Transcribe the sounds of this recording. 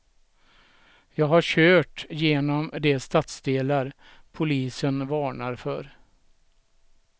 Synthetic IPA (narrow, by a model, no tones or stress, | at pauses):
jɑːɡɦaɕøːʈjeːnɔmd̪ɛst̪at̪sd̪eːlaɾ | pʰʊliːsənvɑːɳaɾfœɾ